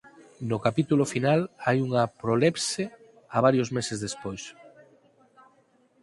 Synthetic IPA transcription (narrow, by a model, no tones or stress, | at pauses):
nokapit̪ulofinalajuŋɐpɾolepse | aβ̞aɾjozmesezðespojs